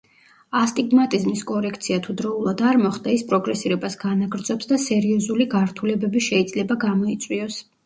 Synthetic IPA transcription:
ast̪ʼiɡmat̪ʼizmiskʼɔɾɛkʰt̪sʰiat̪ʰud̪ɾɔulˠad̪aɾmɔχd̪aispʼɾɔɡɾɛsiɾɛbasɡanaɡɾd̪zɔpsd̪asɛɾiɔzuliɡaɾt̪ʰulɛbɛbiʃɛid̪zlɛbaɡamɔit̪sʼwiɔs

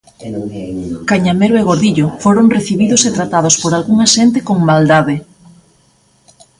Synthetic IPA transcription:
kaɲameɾoeɣ̞oɾðiʎofoɾoŋreθiβiðʊset̪ɾat̪að̞ospoɾalɣuŋaʃent̪ɪkoŋmald̪aðɪ

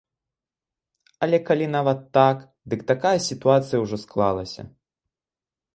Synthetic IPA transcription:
ɐlʲɛkalʲinavɐt̪ːak | d̪ɨkt̪akajɐsʲit̪uat̪sɨjɐwʐɔsklˠa̰lˠɐsʲɐ̰

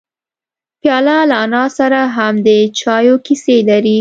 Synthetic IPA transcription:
pjɑlalanɑsaɾaɦamd̪ət͡ʃɑjokiselaɾi

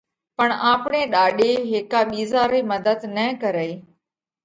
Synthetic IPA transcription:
pəɳaːpɳeːɗaːɗeːɦɪkaːɓiːzaːɾiːməd̪əd̪nəkəɾəiː

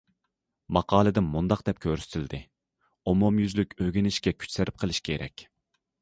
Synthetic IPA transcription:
mɑqʰɑːlˠɨd̪ɪnmund̪ɑq̚d̪̥ɛp̚kʲʰøɾst̪ʰɪld̪ɪ | omomjyzlykʲøɡʲinɪʃkʲɛkʲʰy̥t͡ʃʲsɪɾɪp̚qʰəlˠɪʃkʲʰeɾɛ̰kʲ

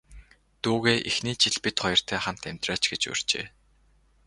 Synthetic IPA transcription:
t̪uːɣeːʔixniːt͡ɕʰiɮpit̪χɔjɞ̆r̥t̪ʰæːχam̥t̪æmʲt̪raːt͡ɕɡet͡ɕɵ̰r̥t͡ɕḛː

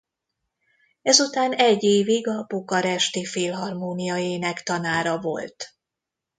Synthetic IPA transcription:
ɛzut̪aːnɛɟːeːviɡɒbokɒɾɛʃt̪ifeːlɦɒrmoːnijɒjeːnɛkt̪ɒnaːɾɒvo̞̰lt̪

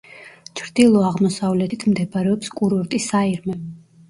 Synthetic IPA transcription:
t͡ʃʰɾd̪ilˠɔaʁmɔsavlɛt̪ʰit̪ʰmd̪ɛbaɾɛɔpskʼuɾɔɾt̪ʼisaiɾmɛ

